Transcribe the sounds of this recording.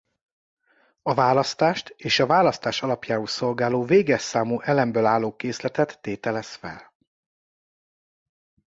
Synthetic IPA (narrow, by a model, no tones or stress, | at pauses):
ɒvaːlɒst̪aːʃt̪eːʃɒvaːlɒst̪aːʃɒlɒpjaːɦusso̞lɡaːloːveːɡɛsaːmuʔɛlɛmbøːlaːloːkeːslɛt̪ɛt̪ːeːt̪ɛlɛsfɛ̰l